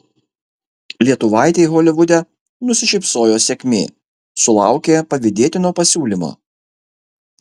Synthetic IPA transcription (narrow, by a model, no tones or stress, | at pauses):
lʲiɛt̪ʊʋɑˑɪt̪ʲɛɪɣɔlʲɪʋʊd̪ʲɛ | nʊsʲɪʃʲɛɪpsoːjoːsʲɛkʲmʲḛː | sʊlˠɑˑʊkʲeːpɐʋʲɪd̪ʲeɛt̪ʲɪnoːpɐsʲuːlʲimo̰ː